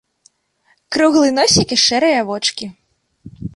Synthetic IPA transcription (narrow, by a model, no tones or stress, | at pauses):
kɾuɣlˠɨnɔsʲikiʂɛɾɨjɐvɔt͡ʂkʲi